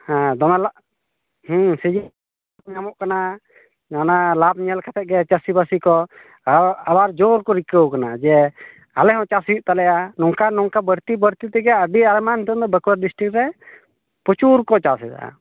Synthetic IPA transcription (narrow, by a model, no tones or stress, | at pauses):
hãd̪ɔnalaʔ | hũsid͡ʒi | ap̚ɲamɔʔkana | nanalab̚ɲɛlkʰat̪ʰɛʔ̚ɡɛt͡ʃasibasikɔ | abaɾd͡ʒɔɾkɔɾikəwkanad͡ʒɛ | alɛɦɔ̃t͡ʃasiʔ̚t̪alɛʔanɔŋkanɔŋkabəɾt̪ibəɾt̪it̪ɛɡɛəɖiaɾmant̪ɔnd̪ɔbɛkuwaɾɖisʈɾik̚ɾɛ | pɔt͡ʃuɾkɔt͡ʃasɛt̪a̰a̰